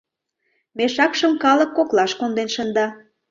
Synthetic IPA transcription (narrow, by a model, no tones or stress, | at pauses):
meʃɑkʃəmkɑləkːoklɑʃkond̪enʃənd̪ɑ